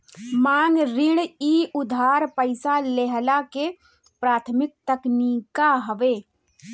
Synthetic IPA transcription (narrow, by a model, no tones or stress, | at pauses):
maːŋɡɾɪɽ̃iːʊd̪ʱaːɾpəɪsaleɦlake | pɾaːt̪ʰəmɪk̚t̪əknikaɦəʋeː